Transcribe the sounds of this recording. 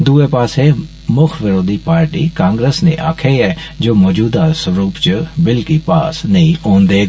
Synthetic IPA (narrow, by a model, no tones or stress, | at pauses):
d̪uːepaːseː | mʊkʰʋɪɾoːd̪ʱiːpaːɾʈiːkãːŋɡɾeːsnḛ̃ːʔaːkʰeːɛːd͡ʒoːmɔːd͡ʒuːd̪aːsɾuːpt͡ʃəbɪlkiːpaːsnəĩːõːnd̪eː